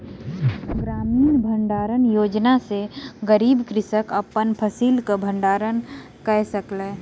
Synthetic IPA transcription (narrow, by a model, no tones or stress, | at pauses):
ɡɾaːmiːnbʱə̃ɳɖaːɾənjoːd͡ʒnaseɡəɾiːbkɾɪsəkəpːənpʰəsiːlkabʱə̃ɳɖaːɾən | kəɦsəkle